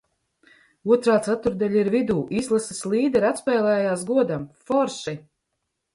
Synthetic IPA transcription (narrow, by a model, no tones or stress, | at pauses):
uɔt̪ɾaːt̪sat̪uɾd̪alʲaiɾvid̪uːʔizlˠasasliːd̪ɛɾat̪spɛːlˠɛːjaːs̬ɡuɔd̪amfɔɾʃi